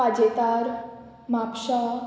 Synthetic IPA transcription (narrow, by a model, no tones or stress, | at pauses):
ad͡ʑet̪aɾ | mapɕa